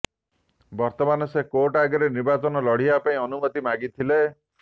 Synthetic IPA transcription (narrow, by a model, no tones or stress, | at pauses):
bɔɾt̪ɔmanɔsekoʈaɡɔɾenibat͡ʃɔnɔlɔɽ̤iapaĩɔnumɔt̪imaɡit̪ʰile